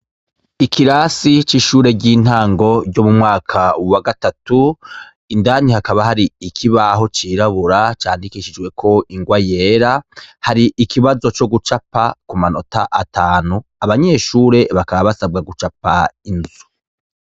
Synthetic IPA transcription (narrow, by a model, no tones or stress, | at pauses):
ikʰiɾasit͡ʃiʃuːɾe̞ɟiːn̥haːŋɡo̞ɾɟo̞mumŋaːkʰawaɡatatu | indaːnihakaβahaɾiikʰiβaɦo̞t͡ʃiːɾaβuɾat͡ʃaːndikiʃid͡ʒɡwe̞kʰo̞ʔiŋɡwajeːɾahaɾiʔikʰiβazo̞t͡ʃo̞ɡut͡ʃapakumanotaʔatʰaːnuaβaɲe̞ːʃuːɾe̞βakaβaβasab̚ɡaɡut͡ʃapainzu